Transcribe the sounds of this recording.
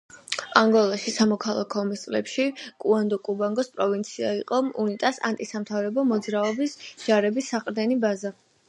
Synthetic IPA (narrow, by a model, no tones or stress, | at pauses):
aŋɡɔlˠaʃisamɔkʰalˠa̰kʰɔmist̪sʼlɛpʃikʼuand̪ɔkʼubaŋɡɔspʼɾɔvint̪sʰiaiqʼɔunit̪ʼasa̰nt̪ʼisamt̪ʰavɾɛbɔmɔd̪zɾaɔbisd͡ʒ̥aɾɛbisːaqʼɾd̪ɛnibaza